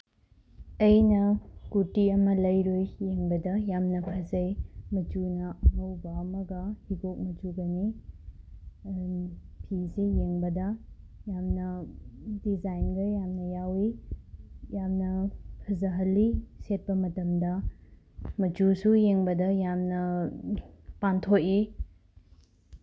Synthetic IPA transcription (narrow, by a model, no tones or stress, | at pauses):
ɐjnɐkutiɐmɐlɐjɾojːeŋbɐdɐjamnɐpʰɐzɐjmɐtunɐɐwbɐmɐɡɐhiɡok̚mɐtuɡɐni | pʰisejeŋbɐdɐ | jamnɐdizajnɡɐjamnɐjawi | jamnɐpʰɐzɐɦɐlːiset̚pɐmɐtɐmdɐ | mɐt͡ʃusujeŋbɐdɐjamnɐ | pantʰoki